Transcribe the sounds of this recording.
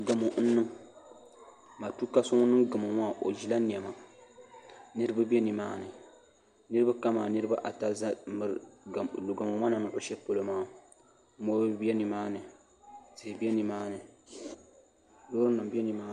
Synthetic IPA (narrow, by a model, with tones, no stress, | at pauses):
ɡa˨mo˨n̩˦nːɨ˦ŋ | ma˨tu˦ka˦sʊ˦ŋ˦nɨ˦ŋɡɨ˨mo˨maː˦˨ʔo˨d͡ʒi˨la˦ni˨ɛ˨ma˨ | nɨ˦ɾɨ˦ba˦bɛ˦ni˨maː˦nɨ˨ | nɨ˦ɾɨ˦ba˦ka˦ma˨nɨ˦ɾɨ˦ba˦ʔa˨ta˦za˦mɨ˨ɾlu˨ɡa˨mʊ˨ma˦na˨nɨ˦˨ʔʊ˦ʃɛ˦po˦lo˦maː˦ | mo˦ɾbi˦ɛ˦ni˨maː˦nɨ˨ | z̥ɪ˨hbɛ˦ni˨maː˦nɨ˨ | loː˦ɾɨ˦nɨ˨mbɛ˦ni˨maː˦